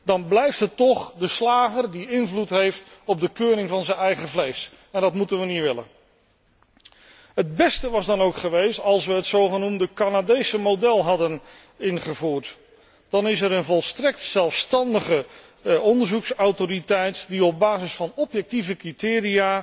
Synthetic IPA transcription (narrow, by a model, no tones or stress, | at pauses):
dɑnblɛjftɦətːɔχdəslaːχərdiɪnvlutɦejftɔb̚dəkøːrɪŋvɑnzənɛjχəvlejs | ɛndɑtmutənʋəniʋɪlə̰n | ɦəd̚bɛstəʋɑzdɑnowkχəʋejstɑlˠsʋəɦətsowχənumdəkanadejsəmodɛlˠɦɑdən | ɪnχəvuːɹt | d̥ɑnɪsɛɾənvɔlˠstrɛk̚tsɛlˠfstɑndəχə | ɔndəɹzuksawtoɾitɛjtdiɔb̚baːzɪsfɑnɔpjɛk̚tivəkritɪːriaː